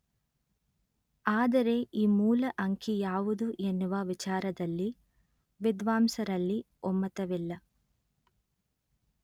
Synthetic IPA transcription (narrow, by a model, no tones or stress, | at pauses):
aːd̪ɐɾe̞ʔiːmuːlɐʔɐŋkʰijaːʋud̪uʔenːuʋɐʋit͡ʃaːɾɐd̪ɐlːi | ʋid̪ʋaːmsɐɾɐlːi | ɔmːɐt̪ɐʋilːɐ